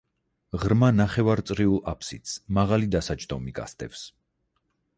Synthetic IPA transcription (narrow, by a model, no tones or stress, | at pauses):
ʁɾmanaχɛvaɾt̪sʼɾiulˠapʰsit̪smaʁalid̪asad͡ʒd̪ɔmiɡa̰st̪ʼɛfs